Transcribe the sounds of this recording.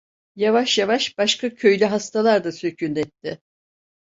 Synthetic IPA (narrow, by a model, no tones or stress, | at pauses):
javaʃjavaʃb̥aʃkacʰø̞jlʲyɦast̪alˠaɾd̪asø̞cʰynɛt̪ʰːɪ